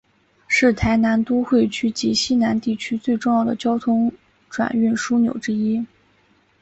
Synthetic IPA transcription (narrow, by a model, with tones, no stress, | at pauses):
ʂɻ̩˥˩t̪ʰa˧˥ɪna˧˥nt̪u˥xwe˥˩ɪt͡ɕʰy˥t͡ɕi˧˥ɕi˥na˧˥nt̪i˥˩t͡ɕʰy˥t͡swe˥˧ɪʈ͡ʂʊ˥˧ŋjɑ˥˩ʊd̪ə̰˩t͡ɕjɑ˥ʊt̪ʰʊ˥ŋ | ʈ͡ʂwa̰˨˩ny˥˩nʂu˥njo̰˨˩ʊʈ͡ʂɻ̩˥i˥